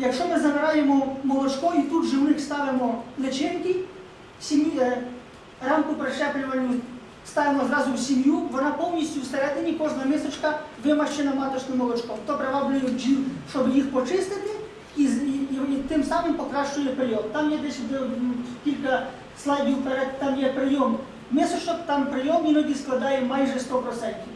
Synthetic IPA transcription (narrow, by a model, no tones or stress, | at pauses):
jɐkʂɔmɪzɐmɪɾajɛmɔmɔlˠɔt͡ʃkɔit̪ud̪ʒɛwnɪxst̪aʋʲɪmɔlʲɛt͡ʃɛnkʲɪ | sʲɪm | ramkʊpɾɐʂɛplʲɪʋɐnʲu | st̪aʋʲɪmɔzɾazʊwsʲɪmjuʋɔnapɔwnʲisʲtʲjust̪ɐɾʲat̪ɪmʲikɔʐnɐmʲɛsɐt͡ʃkɐʋɪmɐʃt͡ʃɛnɐmat̪ɔt͡ʃnɔmɔlˠɔt͡ʃkɔt̪ɔpɾɛbaʋlʲʊjuʒiʂɔbjixpɔt͡ʃɪst̪ɪt̪ɪ | izit̪ɪmsamɪmpɔkɾaʂt͡ʃʊjɛpɾɪjɔmt̪amjɛd̪ʲɛsʲd̪kʲilʲkɐ | slˠadʲjupɐɾʲatt̪amjɛpɾɪjɔm | mʲɛst̪ɔt͡ʃɔkt̪ampɾɪjɔminɔɡ̪ʲisklˠɐd̪ajɛmajʐɛst̪ɔpɾɔsɛjkʲi